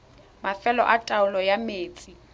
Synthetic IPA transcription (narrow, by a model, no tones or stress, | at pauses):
mafɛlɔ̰ʔatʼaʊlɔjameːt͡sʼi